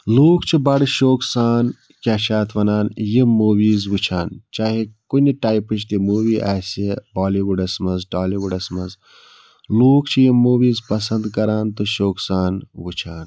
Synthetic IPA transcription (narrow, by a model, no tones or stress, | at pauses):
luːkt͡ʃʰibɐɽʃoːksaːn | kʲaːʃaːt̪ʰʋɐnaːnjimuːʋiːzʋut͡ʃʰaːnt͡ʃaːɦikuniʈaːjpɨt͡ʃʰt̪imuːʋiːʔaːsebaːliwuɖɐsmɐzʈaːliʋuɖɐsmɐz | luːkt͡ʃʰijimuːʋiːzpɐsɐnd̪kɐɾaːnt̪oʃoːksaːnʋut͡ʃʰaːn